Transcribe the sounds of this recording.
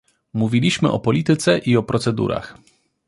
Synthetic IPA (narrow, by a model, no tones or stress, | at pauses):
muvʲilʲiɕmɘ̰ʔɔpɔlʲit̪ɘt̪sɛʔiɔpɾɔt̪sɛd̪ṵɾa̰x